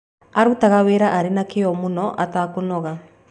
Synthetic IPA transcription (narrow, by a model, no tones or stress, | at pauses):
aɾutaɣaweːɾaʔaɾenakeɔmunɔʔataːkonɔɣa